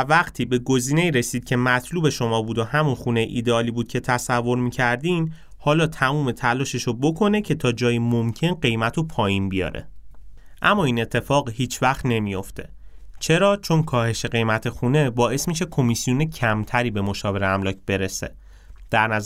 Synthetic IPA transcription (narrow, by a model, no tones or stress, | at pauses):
væɢt̪ʰiːbe̞ɡo̞ziːne̞iːɾesiːd̪̚cʲʰe̞mæt̪ʰluːbe̞ʃo̞mɒːbuːd̪ohæmunxuːne̞jḛʔiːd̪eɒːliːbuːd̪̚cʰe̞t̪ʰæsævːo̞ɾmiːcʰæɾd̪in | hɒːlɒːt̪ʰæmuːme̞t̪ʰælɒːʃe̞ʃobo̞kʰo̞ne̞cʰe̞t̪ʰɒːd͡ʒɒːjimomcʰe̞nɢe̞jmæt̪ʰopʰɒːjiːnbijɒ̰ːɾḛ | ʔæmːɒːiːne̞t̪ʰːe̞fɒːɢhiːt͡ʃʰvæχt̪ne̞mijo̞ft̪ʰe̞̰ | t͡ʃʰe̞ɾɒːt͡ʃʰo̞nkʰɒːhe̞ʃe̞ɢe̞jmæt̪ʰe̞xune̞bɒːʔe̞smiʃe̞kʰo̞misijonecʰæmt̪ʰæɾiːbe̞mo̞ʃɒːve̞ɾeæmlɒːcʰb̥e̞ɾe̞sḛ | d̪̥æɾnæz